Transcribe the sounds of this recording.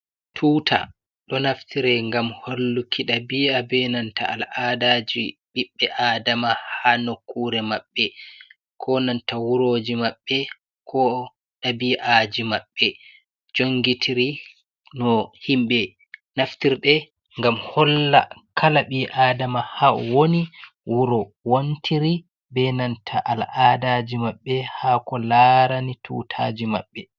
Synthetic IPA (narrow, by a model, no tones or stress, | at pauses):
tʰuːtʰa̰ | ɗɔnaftʰiɾɛŋɡamholːukʰiɗabiabɛnanta̰a̰ladad͡ʒiɓiɓːɛʔaːdamahanokːuɾɛmaɓːɛ | kʰɔnantawuɾod͡ʒimaɓːɛ | kʰɔ | ɗabiʔad͡ʒimaɓːɛ | d͡ʒoŋɡitʰiɾi | nɔhimɓɛ | naftiɾɗɛ | ŋɡamhɔlːa̰kʰalaɓiʔaːdamahawoni | wuɾɔ | wontʰiɾi | bɛnantʰaʔalʔadad͡ʒimaɓːɛhakɔlaɾanitʰṵːtʰaːd͡ʒima̰ɓːɛ